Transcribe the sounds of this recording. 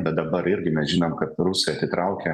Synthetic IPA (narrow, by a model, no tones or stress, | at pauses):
bʲɛt̪̚d̪ɐbɐɾɪɾʲɡʲɪmʲɛsʒʲɪnomkɐt̪ɾʊsɛjɐt̪ʲɪt̪ɾɐʊkʲɛ